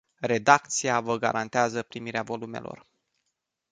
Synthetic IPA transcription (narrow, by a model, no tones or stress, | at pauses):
re̞d̪ak̚t̪sijavəɡa̰ɾʔant̪eazəpɾimiɾeavo̞lume̞̰lo̞̰r